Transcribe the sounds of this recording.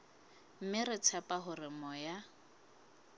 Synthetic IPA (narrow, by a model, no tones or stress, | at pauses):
m̩mɪrɪt͡sʰapʼaɦʊrɪmɔja